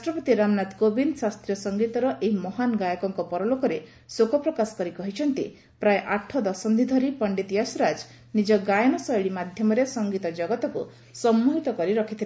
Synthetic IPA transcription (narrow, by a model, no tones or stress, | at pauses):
ɾasʈɾɔpɔt̪iɾamnat̪kobinsast̪ɾijɔsɔŋɡit̪ɔɾɔʔeɦimɔɦanɡajɔkɔŋkɔpɔɾɔlokɔɾe | sokɔpɾɔkasɔ̥kɔɾikɔɦit͡ʃʰɔnt̪ḭ | pɾajʔaʈʰːɔd̪ɔsɔnd̪ʱid̪ʱɔɾipɔɳɖit̪ijasɔɾad͡ʒ | nid͡ʒɔɡajɔnɔsɔjɭimad̪ʱjɔmɔɾesɔŋɡit̪ɔd͡ʒɔɡɔt̪ɔku | sɔmːuɦit̪ɔkɔɾiɾɔkʰit̪ʰila